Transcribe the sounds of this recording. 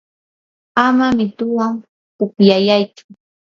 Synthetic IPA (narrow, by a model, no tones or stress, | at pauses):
amamɪt̪ʊwaŋ | kʊpjajajt͡ʃʊ̥